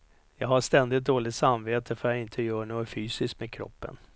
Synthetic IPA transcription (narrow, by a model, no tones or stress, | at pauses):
jɑːɡhaʂt̪ɛnd̪ɪt̪̚d̪oːlɪt̪samveːt̪ʰəfœɾjaɪnt̪ʰəjœːɳoːɡɔfyːsɪskmeːd̪kʰɾɔ̰pːə̰n